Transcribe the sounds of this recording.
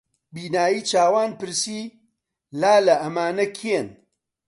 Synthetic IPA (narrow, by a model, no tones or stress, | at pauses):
biːnaːjiːt͡ʃaːwaːnpɨɾsiː | laːlɐʔɐmaːnɐkʰen